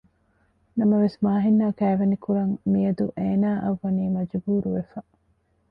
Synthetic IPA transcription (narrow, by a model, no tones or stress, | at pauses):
nɐmɐʋesmaːɦinːaːkæːʋɐnikuɾɐŋmiɐd̪uʔeːnaːʔɐʋːɐniːmɐd͡ʒbuːɾuʋefɐ